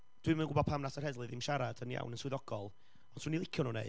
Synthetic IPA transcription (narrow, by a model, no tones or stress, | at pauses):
d̥wɨmənɡʊbɔ̥pʰamnasɔrhɛdlˠɨðɪmʃaɾadənja̰wnənswɪðɔɡ̥ɔlˠ | ɔn̥swunilˠɪkʰjɔnunḛ